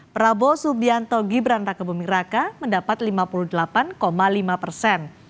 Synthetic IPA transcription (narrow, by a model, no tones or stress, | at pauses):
pɾabosubiant̪ɔɡibɾanrakabumiɾakaməndapat̪limapuluhdəlapankomalimapərsɛn